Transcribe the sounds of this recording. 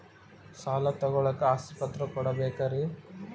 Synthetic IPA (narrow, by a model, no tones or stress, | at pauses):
saːlɐt̪ɔɡɔɭɐkːeaːsipɐt̪ɾɐkɔɽɐbeːkɐɾe